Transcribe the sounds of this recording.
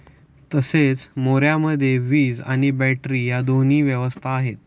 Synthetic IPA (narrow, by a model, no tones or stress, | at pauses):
t̪əset͡smoɾjaməd̪ʱːjeʋiːd͡za̰ɽ̃ibɛʈɾiːjad̪oniːʋjəʋəst̪ʰaːɦet̪